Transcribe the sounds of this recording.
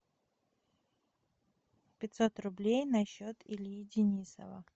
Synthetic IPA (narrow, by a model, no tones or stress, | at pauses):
pʲɪt̪ʲsot̪rʊblʲejnɐɕːot̪ɪlʲidʲɪnʲisə̰və̰